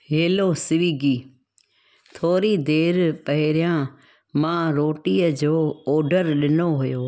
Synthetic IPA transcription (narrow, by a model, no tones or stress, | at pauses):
ɦeːloːsɪʋiːɡiː | t̪ʰoːɾiːd̪eːɾpəɦɪɾɪjãː | mãːɾoːʈiːəd͡ʑoːoːɖəɾɗɪnoɦʊjoː